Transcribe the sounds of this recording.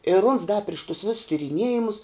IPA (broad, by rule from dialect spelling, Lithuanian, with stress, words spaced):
ɪr ʊns dɐ pʲrʲɪʃ tʊs ʋʲɪs tʲɪrʲɪˈnʲiɛjɪmʊs